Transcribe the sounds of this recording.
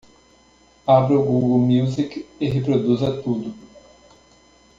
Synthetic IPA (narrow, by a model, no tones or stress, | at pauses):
abɾʊɡuɡɐwmiwzikɪɦepɾod̪uzɐt̪ud̪ʊ